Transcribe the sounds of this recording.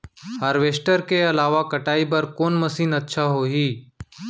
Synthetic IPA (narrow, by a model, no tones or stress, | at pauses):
ɦəɾʋeːsʈəɾkeɐlaːʋakəʈaːibəɾkoːnməsiːnətːʃʰaɦoɦiː